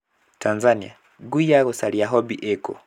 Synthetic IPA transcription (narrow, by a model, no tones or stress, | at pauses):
tʰanzania | ɡujaɣusaliaɦɔbiʔɛkɔ̰